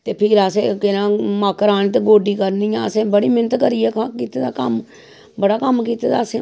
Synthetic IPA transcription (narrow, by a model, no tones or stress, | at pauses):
t̪eːpʰɪɾaseːkɪnãːmaːkəɾaːñiːt̪eɡoːɖiːkəɾnijãːəsẽːbəɽiːmɪnət̪kəɾiːɛːkkiːt̪eːd̪aːkəm | bəɽaːkəmk̬iːt̪eːd̪aːsẽː